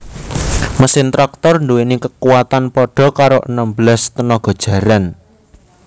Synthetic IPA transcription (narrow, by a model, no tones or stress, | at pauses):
məsɪnt̪ɾak̚t̪ɔrnd̪uwenikəkuwat̪anpɔɖ̥ɔ̤kaɾoʔənəmbəlast̪ənɔɡ̥ɔ̤d̥ʒ̥ä̤ɾan